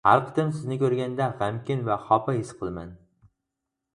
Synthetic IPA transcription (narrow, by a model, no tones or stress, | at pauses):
haɾˠqt̪ɪmsɪznɪkʲʰɵɾɡʲand̪aʁamkʲɪnvaχɒpʰahɪsqʰɨlˠma̰n